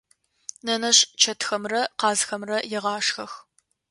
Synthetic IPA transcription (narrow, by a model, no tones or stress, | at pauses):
nɐnɐɕt͡ʃʰɐtʰxɐmrɐqɑːzxɐmrɐjɛʁɑːʂxɐx